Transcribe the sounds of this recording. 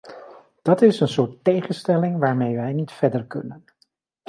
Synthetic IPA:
d̥ɑtɪsənsʊːɹtːejχənstɛlɪŋʋaːɹmejʋɛjnitfɛɹdəɹkɵ̰nən

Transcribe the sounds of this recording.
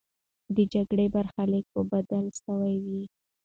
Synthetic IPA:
d̪əd͡ʒaɡɽebaɾxalek̚obad̪alsəwajwi

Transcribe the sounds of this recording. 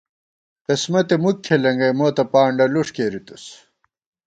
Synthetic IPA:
qesmɐt̪emukʰːelɐŋɡɐjmoːt̪ɐpaːɳɖɐluʂkeɾit̪us

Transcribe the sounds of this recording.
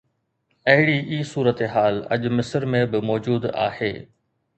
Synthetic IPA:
ɐɦɪɽiʔiːsuːɾət̪eɦaːlɐ̰ʄmɪsəɾmẽbɪmɔːd͡ʑuːd̪a̰ːhḛː

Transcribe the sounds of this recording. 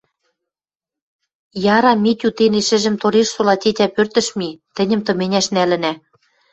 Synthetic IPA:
jɑɾɑmit̪ʲut̪eneʃɘ̆ʒɘ̆mt̪oɾeʃsolɑtʲetʲæpørt̪ə̆ʃmit̪ɘ̆nʲə̆mt̪ɤ̆menʲæʃnælɘ̆næ

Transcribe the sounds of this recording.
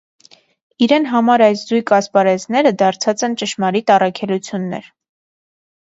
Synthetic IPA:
iɾɛnɦɑmɑɾɑjszujkɑspɑɾɛznɛɾəd̪ɑɾt͡sʰɑt͡sɛnt͡ʃəʃmɑɾit̪ɑrɑkʰɛlut͡sʰjunːɛ̰ɾ

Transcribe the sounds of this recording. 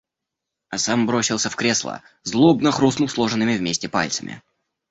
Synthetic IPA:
ɐsambɾosʲɪlˠsʲəfkɾʲeslˠə̰ | zlˠobnəxɾusnulˠslˠo̞ʐɨnːɨmʲɪvmʲesʲtʲɪpa̰lʲtsəmʲɪ̰

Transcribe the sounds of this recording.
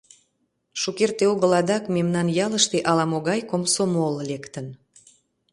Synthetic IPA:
ʃukert̪eoɣəlɑd̪ɑkmemnɑnjɑləʃt̪eʔɑlɑmoɣɑjkomsomollekt̪ən

